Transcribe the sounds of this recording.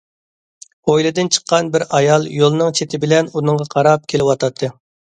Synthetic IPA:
ojlˠɨd̪ɨnt͡ʃʰə̥qːɑnbɪɾɑjɑlˠjolˠnɨŋt͡ʃʰet̪ʰɪbɪlɛnunɨŋʁɑqʰɑɾɑp̚kʲʰelɪwɑt̪ʰɑt̪ʰːɨ

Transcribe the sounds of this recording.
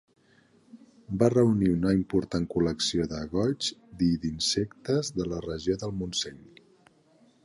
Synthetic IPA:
barəuniunəimpuɾt̪aŋkuləksioðəɣɔd͡ʒd̪iðinsekt̪əzðələrəʒioðəlˠmunseɲ

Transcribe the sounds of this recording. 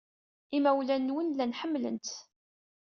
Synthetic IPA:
imæwlænːwənlænħəmːlə̰nt̪

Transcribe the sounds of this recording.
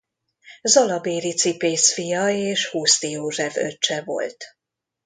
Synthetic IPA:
zɒlɒbeːɾit̪sipeːsfijɒeːʃhuːst̪ijoːʒɛfø̰t͡ʃːɛvo̞̰lt̪

